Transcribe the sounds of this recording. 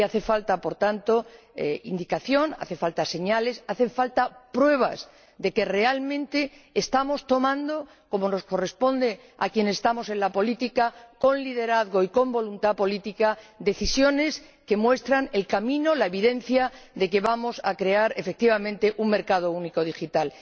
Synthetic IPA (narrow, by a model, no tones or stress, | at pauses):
aθe̞falt̪apo̞ɾt̪ant̪o̞ | eḭnd̪ikaθjo̞na̰θe̞falt̪ase̞ɲale̞saθe̞ɱfalt̪apɾwe̞β̞a̰s | d̪e̞ke̞re̞almẽ̞nt̪e̞ːst̪amo̞st̪o̞mãnd̪o̞ | ko̞mo̞no̞skore̞spo̞nd̪e̞ | a̰kje̞nesest̪amo̞se̞nlapo̞lit̪ikako̞nlið̞eɾaðɣo̞iko̞mbo̞lunt̪apo̞lit̪ikad̪e̞θisjo̞ne̞s | ke̞mwe̞st̪ɾane̞lkamĩno̞lae̞β̞iðe̞n̟θjaðe̞ke̞βamo̞sakɾe̞aɾe̞fe̞k̚t̪iβamẽnt̪e̞ʔuŋme̞ɾkað̞o̞uniko̞ð̞ixit̪al